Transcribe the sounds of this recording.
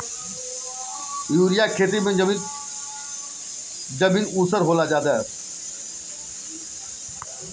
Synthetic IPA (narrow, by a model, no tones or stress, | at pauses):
juːɾɪjaːkʰeːt̪̬imẽmi | d͡ʒəmĩnuːsəɾɦoːlaːd͡ʒaːd̪aː